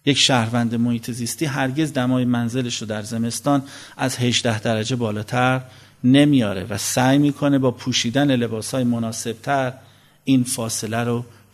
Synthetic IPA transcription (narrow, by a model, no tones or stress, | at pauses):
je̞cʃæhɾvænd̪emohiːt̪ʰe̞ziːst̪iːɦæɾɟe̞zd̪æmɒːjemænze̞leʃod̪æɾze̞me̞st̪ɒːnʔæzhe̞ʒd̪æhd̪æɾæd͡ʒe̞bɒːlɒːt̪ʰæɾ | ne̞mijɒːɾe̞̰væsæːjmiːkʰo̞ne̞bɒːpʰuːʃiːd̪æne̞le̞bɒːshɒːjemonɒːse̞b̥̚t̪ʰæɾ | iːnfɒːse̞læɾo